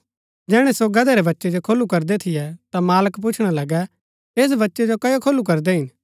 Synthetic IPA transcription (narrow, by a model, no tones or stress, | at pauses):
d͡ʒɛːɽ̃ɛsoɡɐd̪ɛɾɛbɐtːʃɛd͡ʒokʰoːlukɐɾd̪ɛt̪ʰɪjɛt̪amaːləkp̬ʊt͡ʃʰɽ̃alɐɡɛ | eːs̬bɐtːʃɛd͡ʒokɐjokʰoːlːuk̬ɐɾd̪ɛɦɪn